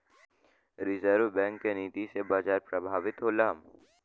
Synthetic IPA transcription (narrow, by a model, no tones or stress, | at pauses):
ɾɪzəɾʋbɛ̃ːŋkːeniːt̪isebaːzaːɾpɾəbʱaːʋɪt̪ɦoːlaːm